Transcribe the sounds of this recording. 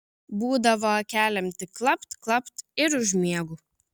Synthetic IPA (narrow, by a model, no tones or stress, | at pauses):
buːd̪ɐʋoːkʲæːlʲɛmʲt̪ʲɪklˠɐpt̪klˠɐpt̪ɪɾʊʒʲmʲiɛɡu